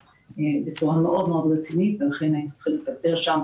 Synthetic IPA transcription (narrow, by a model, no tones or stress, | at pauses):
bet͡suʁameʔɔd̪meod̪ʁet͡sinit̪velaχɛnaiat͡sχilid̪abɛʁʃam